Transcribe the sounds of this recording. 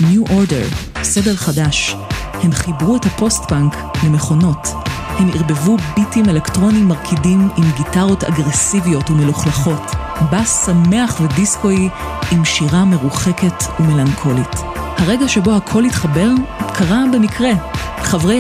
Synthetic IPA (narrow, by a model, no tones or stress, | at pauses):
njuʔoɾdeʁ | se̞deʁχadaʃ | he̞mχibʁuethapo̞stbaŋk | lemeχo̞no̞t | he̞mḭʁbe̞vubitime̞lektʁo̞nimːaʁkʰidimimɡitaʁo̞ta̰ɡʁesivijo̞tume̞luχlaχo̞t | bassame̞aχvedisko̞ji | imʃiʁame̞ʁuχe̞ke̞tume̞laŋkʰo̞lit | haʁe̞ɡaʃe̞bo̞hakʰo̞litχabelkʰaʁabe̞mikʰʁelχavʁe